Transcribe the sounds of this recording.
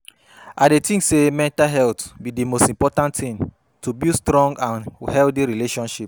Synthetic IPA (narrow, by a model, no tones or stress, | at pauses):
adetĩŋsemɛ̃ntalɦɛltbidemostĩmpɔtãnttĩn | tubistɾɔ̃ŋɡãnhɛldiɹileʃɔ̃nʃip̚